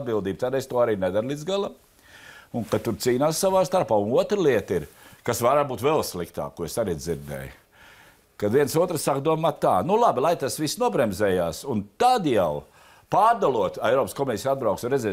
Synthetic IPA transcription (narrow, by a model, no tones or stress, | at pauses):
d̪̚bilˠd̪iːb̚t̪ad̪est̪uɔaɾiːnɛd̪aɾlʲid̪zɡalˠa | uŋkat̪uɾt̪siːnaːssaʋaːst̪aɾpaːunuɔt̪ɾlˠiɛt̪iɾkasvaɾabuːt̪vɛlˠslˠikt̪a̰ːkuɔesaɾiziɾd̪ɛ̰j | kaviɛnsuɔt̪ɾsakd̪uɔmaːt̪ːaːnulˠabilˠajt̪asʋisːnuɔbɾɛmzɛːjaːsunt̪ad̪jalˠ | paːɾd̪alˠuɔt̪ɛjɾɔːpskɔmɛsisad̪̚bɾawksunɾɛd̪zɛː